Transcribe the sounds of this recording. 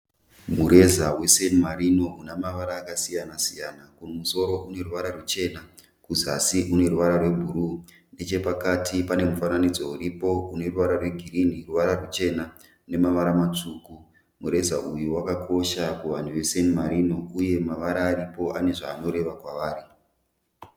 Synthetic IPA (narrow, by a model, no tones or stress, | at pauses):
muɾe̞zawe̞senimaɾino̞unamaʋaɾaːkasijanasijanakunomuso̞ɾo̞ʔune̞ruʋaɾarut͡ʃe̞ːna | kuzasiʔune̞ɾuʋaɾarwe̞bʱuɾu | ne̞t͡ʃe̞pakatipane̞mufananid͡zo̞uɾipo̞une̞ruʋaɾarwe̞ɡʱiriniruʋaɾarut͡ʃe̞na | ne̞maʋaɾamat͡ʂuːku | muɾe̞zaʔujuwakakʰo̞ʃakuʋan̤uʋe̞senimaɾino̞uje̞maʋaɾaːɾipo̞ʔane̞ʐaːno̞ɾe̞ʋakwaʋaːɾi